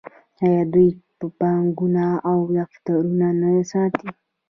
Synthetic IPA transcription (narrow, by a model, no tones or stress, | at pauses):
ajad̪ʊjpapaŋɡʊnaawjakt̪aɾʊnanajasat̪i